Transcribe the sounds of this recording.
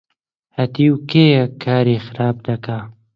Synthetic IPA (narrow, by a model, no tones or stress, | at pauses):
hɐt̪iwkeːjɐkʰːaːɾeːxɪɾaːb̚d̪ɐkaː